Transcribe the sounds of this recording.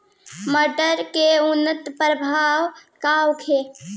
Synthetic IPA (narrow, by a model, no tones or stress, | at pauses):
məɖəɾkeunːət̪pɾəbʱaawkawkʰe